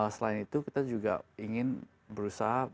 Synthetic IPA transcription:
lasəlaɪnit̪ukit̪ad͡ʒuɡa̰iŋɪn | bəɾusaɦa

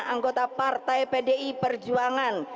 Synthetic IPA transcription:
aŋɡot̪apart̪ajpedeʔipərd͡ʒuaŋan

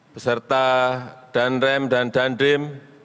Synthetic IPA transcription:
b̥əsərt̪aɖ̥anɾɛmɖanɖ̥anɖɪm

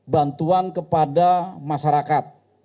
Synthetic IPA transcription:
bant̪uankəpadamaʃaɾakat̪̚

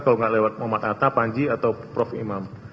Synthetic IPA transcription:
kaloŋɡaʔlewat̪̚mɔmat̪at̪apaɲd͡ʒiat̪awpɾɔfḭmam

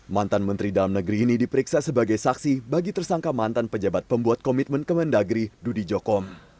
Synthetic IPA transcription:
mant̪anmənt̪ɾidalamnəɡɾiːnidipəɾiksasəbaɡajsaksibaɡit̪ərsaŋkamant̪anpəd͡ʒabat̪̚pəmbuat̪̚kɔmit̪̚mənkəməndaɡɾidudid͡ʒɔkɔm

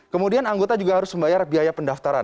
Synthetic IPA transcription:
kəmudianaŋɡot̪ad͡ʒuɡaɦaɾʊsməmbajarbiɦajapəndaft̪aɾan

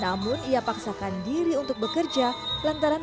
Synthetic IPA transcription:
namʊniapaksakandiɾiunt̪ʊuk̚bəkərd͡ʒalant̪aɾan

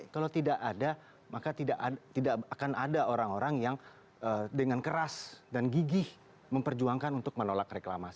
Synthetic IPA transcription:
kalot̪idaʔada | makat̪idaʔt̪idaakanadaoɾaŋoɾaŋjaŋ | ədəŋankəɾasdanɡiɡɪh | məmpərd͡ʒuaŋkanunt̪ʊk̚mənolakrekla̰mas

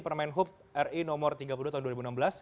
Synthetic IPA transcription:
pərmanɦʊp̚ | ɛrinɔmɔrt̪iɡapulduat̪aɦunduaɾibunambəlas

